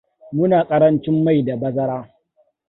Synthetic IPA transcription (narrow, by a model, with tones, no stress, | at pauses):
mʊ˦naː˨kʼɐ˦ɾɐ˦nt͡ʃɪ˦mːa˦˨jda˨bɐ˦zɐ˦ɾaː˦